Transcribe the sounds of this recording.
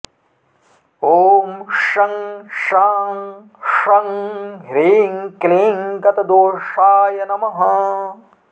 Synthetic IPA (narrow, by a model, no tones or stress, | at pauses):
oːmʂɐŋʂaːŋ | ʂɐŋɦɾeːŋkleːŋkɐt̪ɐd̪oːʂaːjɐnɐmɐɦɐ